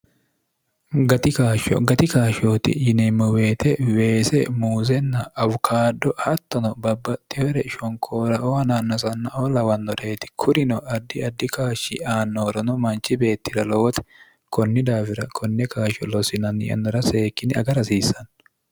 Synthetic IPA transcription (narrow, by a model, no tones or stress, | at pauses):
ɡɐt̪ɪkaːʃɔ̰ɡɐt̪ɪkaːʃoːt̪ɪ̰jɪnɛmːɔweːt̪ɛwe̞ːsɛmuːzɛnːɐːvʊkʰaːd̪ːɔhɐt̪ːɔnɔbɐbːɐt̪ːɪhɔɾɛɪʃɔŋkʰoːɾɐɔɐnanːɔsɐnːɐolɐwɐnːɔᶑeːt̪ɪ̥kʰʊɾɪnɔʔɐd̪ːɪɐd̪ːɪkaːʃɪaːnːoɾɔnɔmɐnt͡ʃɪbe̞ːt̪ːɪɾɐlɔwɔt̪ɛ̥ | kʰɔnːɪd̪aːfɪɾɐkʰɔnːɛkaːʃɔlɔsɪnɐnɪ̰jɐ̰nːɔɾɐse̞ːkːɪnɪɐɡɐɾɐsiːsɐn